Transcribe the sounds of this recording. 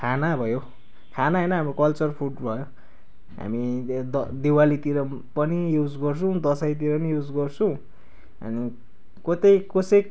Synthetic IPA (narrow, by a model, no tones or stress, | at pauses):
kʰanabʱʌjo | kʰanaɦʌjnʌɦamrokʌlt͡sʌrpʰuʈbʱʌjo | ɦa̰miʌd̪ewalit̪iɾʌ | pʌnijud͡zɡʌrt͡sʰʌ̃w̃d̪ʌsajt̪̬iɾʌpʌnijud͡zɡʌrt͡sʰʌw̃ | ʌ̰ni | kot̪ʌjkosʌj